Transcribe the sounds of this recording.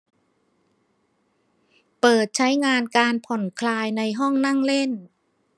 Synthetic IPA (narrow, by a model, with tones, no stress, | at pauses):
pɤː˨˩t̪̚t͡ɕʰa˦˥jŋaː˧nkaː˧npʰɔ˨˩nkʰlaː˧jna˧jɦɔ˥˩ŋna˥˩ŋle˥˩n